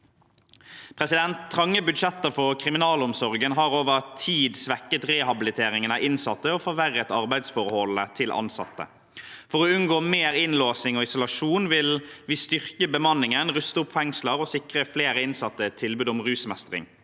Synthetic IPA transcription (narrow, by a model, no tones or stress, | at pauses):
pʰʁɛsɪd̪ɛnt̪ʰːʁɑŋːəbʉd̪ʂɛt̪ːəʁfɔʁkʰʁɪmɪnɑːlɔmsɔʁɡənɦɑːʁoːʋəʁt̪ʰiːd̪sʋɛkːət̪ʁɛːhɑbɪlɪt̪ʰeːɾɪŋənɑʔɪnsɑt̪ːəoːfɔʋæʁːət̪ɑʁbæɪd̪sfɔʁhɔlət̪ʰɪlʔɑ̰nsɑ̰t̪ːə̰ | fɔʁɔʉnɡoːmeːɾɪnloːsnɪŋɔːɪsʊlɑʂuːnʋɪlʋiːst̪ʏʁkəbəmɑnːɪŋənʁʉst̪əʊpfɛŋsləʁɔsɪkʁəfleːʁəɪnsɑt̪ːət̪ʰːɪlbʉːd̪ɔmʁʉːsmɛst̪ʁɪ̰ŋ